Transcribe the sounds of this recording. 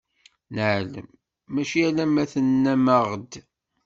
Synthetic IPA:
nəʕlə̰mː | æʃiælæmæθənːæməʁd̪

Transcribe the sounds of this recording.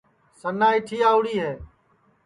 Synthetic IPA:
sənːaːɪʈʰiːaːʊɽiːɦeː

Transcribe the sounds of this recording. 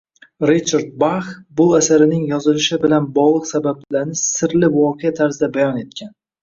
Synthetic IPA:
ɾit͡ʃʰaɾd̪̚baχbʊasaɾɪnɪŋjɒzɪlɪʃɪbɪlanbɒʁlˠɨqsabab̚laɾnɪsɪɾlɪvɒqʰejat̪ʰaɾzɪd̪abajɒne̞t̪̚kʲʰan

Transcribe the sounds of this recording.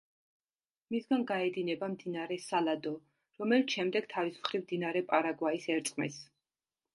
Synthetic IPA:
misɡanɡaɛd̪inɛbamd̪inaɾɛsalad̪ɔ | ɾɔmɛlit̪ʃɛmd̪ɛɡ̥t̪ʰavismχɾivmd̪inaɾɛpʼaɾaɡwaisɛɾt̪sʼqʼmḭs

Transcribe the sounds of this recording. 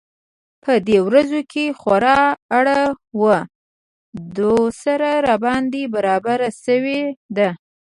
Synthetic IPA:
pʰəd̪ewɾazokʰexaɾɑːɽawə | d̪osaɾaɾabɑnd̪ebaɾɑbaɾasəwed̪a

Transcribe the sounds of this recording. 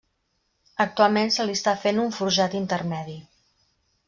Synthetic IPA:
ək̚t̪ualˠmensəlist̪afenuɱfuɾʒat̪int̪ərmɛði

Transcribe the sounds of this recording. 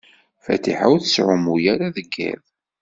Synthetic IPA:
fæ̰t̪ḭħawθəsʕʊmujæɾaðəɡːæ̰ð

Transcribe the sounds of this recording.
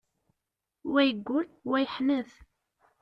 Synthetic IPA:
wæjəɡʷːʊlwæjħməθ

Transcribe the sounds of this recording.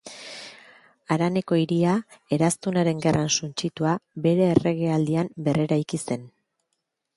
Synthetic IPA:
aɾane̞ko̞iɾiae̞ɾast̪unaɾe̞ŋɡe̞rʔansunt͡ʃit̪uabe̞ɾe̞ːre̞ɣe̞ald̪iambe̞re̞ɾajkise̞n

